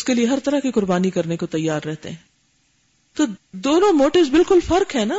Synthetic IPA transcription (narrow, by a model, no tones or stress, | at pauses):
ʊskelieɦɐɾt̪ɐɾakikʊɾbaːnikɐɾnekot̪ɐjːaːɾːɛɦt̪ḛɦɛ̃ː | t̪od̪oːnõmoːʈɪʋzbɪlkʊlfɐɾkɦɛːnaː